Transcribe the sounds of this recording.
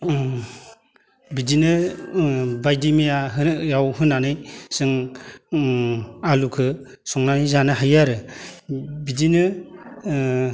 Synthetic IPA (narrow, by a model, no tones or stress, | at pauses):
bidinɯ | bajdimijaɦɯjawɦɯnanɯjsɯŋ | alukʰɯ | sɔŋnanɯjzanɯɦajaɾɯ | bidinɯ